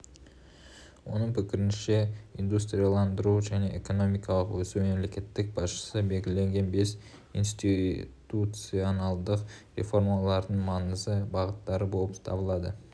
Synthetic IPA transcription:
wo̞nəɴpʰɪkʲɪɾɪnʃe̞ijnd̪ust̪ɾʲijɑlˠɑnd̪əɾuʒæne̞ʔeko̞no̞mijkɑlˠəqwɵsuwme̞mle̞kʲe̞t̪ːɪk̚bɑsʃə̥səbe̞lɡʲɪle̞ŋɡʲe̞nbe̞s | ḭnst̪it̪ut̪sijo̞nɑlˠd̪əqɾʲe̞̰fo̞ɾmɑlˠɑɾd̪əɴmɑɴəzəbɑʁət̪ːɑɾəbo̞lˠəpt̪ʰɑ̰bəlˠɑd̪ə

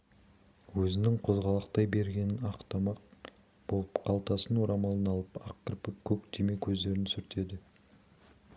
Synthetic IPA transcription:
wɵzɪnɪŋqʰo̞zʁɑlˠəqt̪ɑjbe̞ɾɡʲe̞nɪnɑqt̪ʰɑmɑq | b̥o̞lˠəpqʰɑlˠt̪ɑsənwoɾɑmɑlˠənɑlˠəpɑqːəɾpɪkʲʰɵk̚t̪ʰemekʲʰɵzd̪e̞ɾɪnsʏɾt̪ʰe̞d̪ɪ

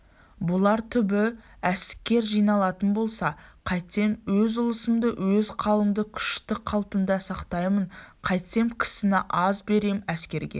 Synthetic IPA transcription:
bʊlˠɑɾt̪ʰʏbɪ | æskʲːe̞ɾʒijnɑlˠɑt̪ənbo̞lˠsɑqʰɑjt̪se̞mwɵzʊlˠəsəmd̪əwɵzqʰɑlˠəmd̪əkʲʰʏ̥ʃt̪ɪqʰɑlˠpənd̪ɑsɑqt̪ɑjməɴqʰɑjt̪se̞mkʲʰɪ̥sɪnɪʔɑzbe̞ɾe̞mæskʲe̞ɾɡʲe̞̰

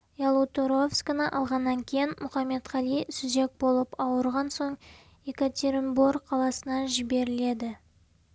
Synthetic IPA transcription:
jɑlˠut̪oɾo̞fskanəʔɑlˠʁɑnːɑŋkʲʰe̞jɪnmʊχɑmːe̞t̪ʁɑlˠijsuze̞k̚bo̞lˠəpɑwəɾʁɑnso̞ɴ | ekat̪ʲʰeɾmborqʰɑlˠɑsənɑʒɪbe̞ɾɪle̞d̪ɪ

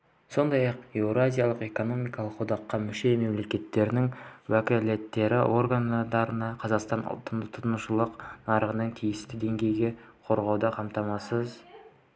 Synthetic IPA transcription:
so̞nd̪ɑjɑqewɾazʲijalˠəqe̞ko̞no̞mijkɑlˠəqʰːod̪ɑqːɑmʏʃe̞jme̞mle̞kʲe̞t̪ːe̞ɾɪnɪŋwækʲɪle̞t̪ːe̞ɾɪʔo̞ɾɡand̪ɑɾənɑqʰɑzɑqst̪ɑnʊ̰lˠt̪ːənd̪ət̪ʰʊt̪nuʃəlˠəqnɑɾəʁənəɴt̪ʰijɪst̪ɪd̪e̞ŋɡʲe̞jɡʲe̞qʰo̞ɾʁɑwd̪ɑqʰɑmt̪ɑmɑsəz

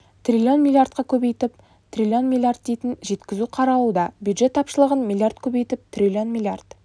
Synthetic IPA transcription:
t̪rʲilʲio̞nmʲilʲˠijart̪̚qɑkʲʰɵbejt̪ɪp̚ | t̪rʲilʲio̞nmʲilˠijard̪̚d̪ejt̪ɪnʒe̞t̪kʲɪzuqʰɑɾɑwud̪ɑbjud̪ʒe̞t̪ːʰɑpʃəlˠəʁənmʲilʲˠjart̪̚kʲʰɵbejt̪ɪp̚t̪ʰrʲilʲio̞nmʲilʲiart̪

